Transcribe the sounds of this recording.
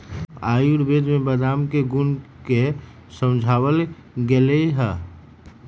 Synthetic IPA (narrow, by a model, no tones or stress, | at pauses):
aːjuɾbed̪mẽbəd̪amkeɡunke | sə̃md͡ʒʱawəl | ɡeleiɦɛ